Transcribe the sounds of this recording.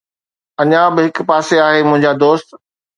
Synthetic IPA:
ɐɲãbɪɦɪkpaːseaːɦemʊ̃ɦɪ̃ɲd͡ʑad̪oːst̪

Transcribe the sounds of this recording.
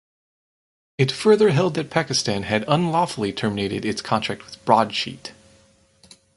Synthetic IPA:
ɨtfɜ˞ðə˞ɦɛlˠd̪̚ðɨt̚pʰækɨstæ̃nɨɾə̃nlɔfl̩ˠitʰɜ˞mɨneɪɾɨ̰ɾɨtskʰɑ̃ntʰɹ̥æk̚t̚wɨð̥bɹɔd̥ʃḭt

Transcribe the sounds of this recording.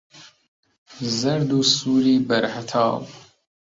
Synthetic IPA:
zɐɾd̪uːsuːɾiːbɐɾhat̪ʰɑ̰ːb

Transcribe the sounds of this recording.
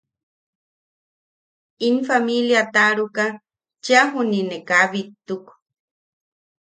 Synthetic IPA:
infamiljat̪aɾuka | t͡ʃaɦuninekaβit̪ːuk

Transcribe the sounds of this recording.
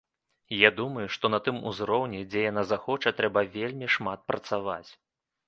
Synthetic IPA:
jad̪umɐjuʂt̪ɔnɐt̪ɨmṵzɾɔwnʲɛd͡zʲɛjanazaxɔt͡ʂɐt̪ɾɛbɐvʲelʲmʲiʂmat̪̚pɾɐt̪sava̰t͡sʲ

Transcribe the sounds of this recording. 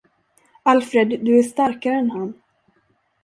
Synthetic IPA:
alfɾed̪ːɵæʂt̪aɾkaɾəɛnɦanː

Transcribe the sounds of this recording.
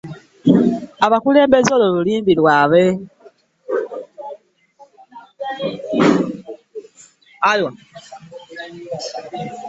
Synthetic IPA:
aβakule̞ːmbe̞zololuliːmbilwaβe | alwa

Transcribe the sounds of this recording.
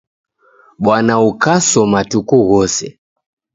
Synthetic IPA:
ɓwanaukasɔmatukuɣɔsɛ

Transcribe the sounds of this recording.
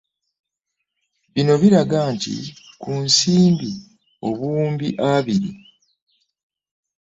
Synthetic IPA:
βino̞βiɾaɡaːntḭ | kunsiːmbi | o̞βuːmbiʔaβiɾḭ

